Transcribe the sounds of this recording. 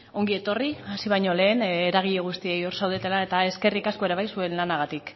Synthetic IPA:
o̞ŋɡie̞t̪o̞riasiβ̞ajɲo̞le̞ːneɾaɣ̞iʎe̞ɣ̞ust̪ie̞jo̞ɾsawð̞et̪e̞lae̞t̪ae̞ske̞rikaskoe̞ɾeβ̞ajsue̞nlanaɣat̪ik

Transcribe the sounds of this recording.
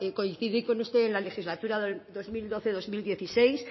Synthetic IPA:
ko̞in̟θiðiko̞nust̪eːnlale̞xizlat̪uɾaðod̪o̞zmild̪o̞θe̞ðo̞zmild̪je̞θise̞js

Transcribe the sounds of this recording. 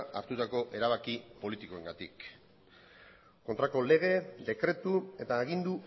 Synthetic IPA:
a̰ɾt̪ut̪ako̞ʔe̞ɾaβakipo̞lit̪iko̞eŋɡat̪ik | kont̪ɾako̞le̞ɣ̞e̞d̪e̞kɾe̞t̪ue̞t̪aːɣind̪u

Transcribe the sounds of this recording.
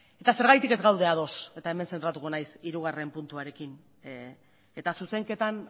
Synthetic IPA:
e̞t̪ase̞ɾɣ̞ajt̪ike̞zɣawðe̞að̞o̞se̞t̪ae̞me̞nse̞nt̪ɾat̪uɣunajsiɾuɣ̞are̞mpunt̪uaɾe̞kin | e̞t̪asuse̞ŋke̞t̪an

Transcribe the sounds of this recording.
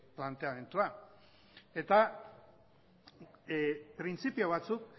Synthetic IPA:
plant̪e̞ame̞nt̪ua | e̞t̪a | pɾint͡sipioβ̞at͡suk̚

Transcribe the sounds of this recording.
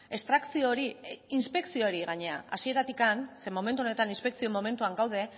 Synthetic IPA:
e̞st̪ɾaksioɾiːnspe̞ksio̞ɾiɣaɲe̞a̰asie̞ɾat̪ikanse̞mo̞me̞nt̪uonet̪aninspe̞ksio̞mo̞me̞nt̪uaŋɡawð̞e̞

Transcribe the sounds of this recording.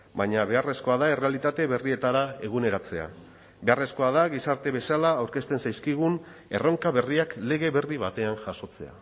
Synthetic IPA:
baɲaβe̞are̞sko̞aðae̞re̞alit̪at̪e̞βe̞rie̞t̪aɾae̞ɣ̞une̞ɾat͡se̞a̰ | be̞are̞sko̞aðaɣisaɾt̪e̞βe̞salaːwɾke̞st̪e̞nsajskiɣ̞un | e̞ro̞ŋkaβe̞riakle̞ɣ̞e̞βe̞riβat̪e̞anʝaso̞t͡se̞a̰

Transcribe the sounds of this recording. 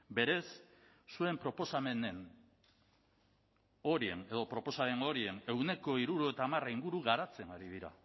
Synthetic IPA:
be̞ɾe̞sː | ue̞mpɾo̞po̞same̞ne̞n | o̞ɾie̞̰ne̞ðo̞pɾo̞po̞same̞no̞ɾie̞ne̞wne̞ko̞iɾuɾoet̪aːmaraiŋɡuɾuɣaɾat͡se̞naɾiðiɾa̰

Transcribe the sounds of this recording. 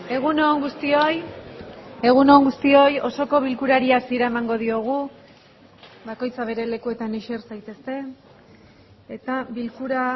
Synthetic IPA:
e̞ɣ̞unoːŋɡust̪ioj | e̞ɣ̞unoːŋɡust̪io̞jo̞so̞ko̞β̞ilkuɾaɾiasiɾaemaŋɡo̞ð̞io̞ɣ̞u | bako̞jt͡saβ̞e̞ɾe̞le̞kue̞t̪aneʃersajt̪e̞st̪e̞ | et̪aβilkuɾa

